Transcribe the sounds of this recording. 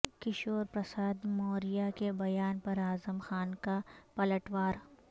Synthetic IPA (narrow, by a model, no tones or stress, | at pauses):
kɪʃoːɾpɾɐsaːd̪moːɾɪjakebɐjaːnpɐɾaːzəmxaːnkapɐləʈʋaːɾ